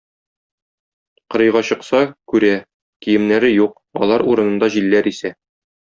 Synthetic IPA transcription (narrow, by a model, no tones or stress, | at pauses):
qɤ̆ɾɤ̆jʁɑɕɤ̆qsɑkʉɾæ | kijɘ̆mnæɾɘjuq̚ | ɒ̰lˠɑɾuɾɤ̆nɤ̆nd̪ɑʑilːæɾisæ